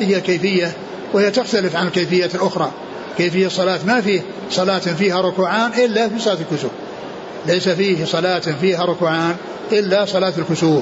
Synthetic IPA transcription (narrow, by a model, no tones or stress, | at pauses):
ɪhɪjakejfɪjːa | whɪjːat̪ɪxt̪alɪfʕanɪlkajfɪjːaːt̪ɪlʔʊxɾˤɑː | keːfɪjːasˤːɑlaːt̪mafiː | sˤɑlaːt̪fiːhaɾˤʊkuːʕaːnʔɪlːafiːsˤɑlaːt̪ɪlkʊsuːb | lejsafiːhsˤɑlaːt̪fiːɦaɾˤʊkuːʕaːn | ʔɪlːasˤɑlaːt̪ɪlkʊsuːb